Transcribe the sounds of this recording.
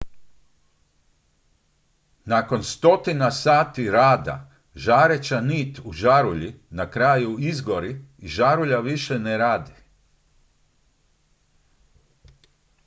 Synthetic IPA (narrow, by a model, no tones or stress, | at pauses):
nako̞nst̪o̞t̪inasaːt̪iɾaːd̪a̰ | ʒaːɾet͡ɕaniːt̪uʒaɾuʎinakɾaːjuizɡo̞ɾiːʒaɾuʎaʋiʃeneɾaːd̪i